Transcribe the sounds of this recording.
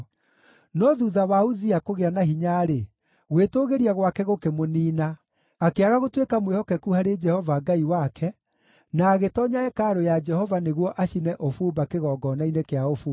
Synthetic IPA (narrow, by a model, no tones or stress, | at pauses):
nɔðuðawauðiakoɣeanaɦiɲaɾe | ɣwetoɣeɾiaɣwakɛɣokemoniːna | akeaɣaɣotwekamwehɔkɛkuhaɾed͡ʒɛhɔvaɡaiwakʰɛ | naːɣetɔːɲaɛkaːɾojad͡ʒɛhɔvaneɣwɔʔaɕinɛʔofuːbakeɣɔːɡɔnainekeaofuː